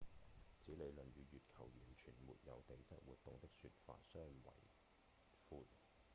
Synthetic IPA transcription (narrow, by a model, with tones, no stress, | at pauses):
t͡siː˨˥le˨˧jlɵ˨˩nɥyː˨˧ɥyː˨t̚kʰɐ˨˩wjyː˨˩nt͡ʃʰyː˨˩nmṵː˨t̚jɐ̰˨˧wt̪e˨jt͡sɐ˥t̚wuː˨t̚t̪ʊ˨ŋt̪ɪ˥k̚sy̰ː˧t̚fa̰ː˧t̚sœː˥ŋwɐ̰˨˩j | fuː˧t̚